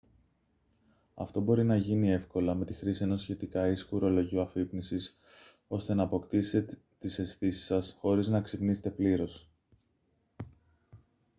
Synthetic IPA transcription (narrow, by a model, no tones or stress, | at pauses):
ɐ̰ft̪o̞bo̞ɾinɐʝinie̞fko̞lɐme̞t̪ixɾisie̞no̞sçe̞t̪ikɐiskuɾo̞lo̞ʝiuɐfipnisis | o̞st̪e̞nɐːpo̞kt̪iset̪ | t̪ise̞sθisi̥sɐsxo̞ɾiznɐksipnise̥t̪e̞pliɾo̞s